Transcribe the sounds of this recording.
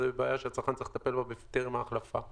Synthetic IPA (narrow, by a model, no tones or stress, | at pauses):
ebebeajaʃeat͡saʁχant͡sailet̪apelbabeft̪iʁmaːχlafa̰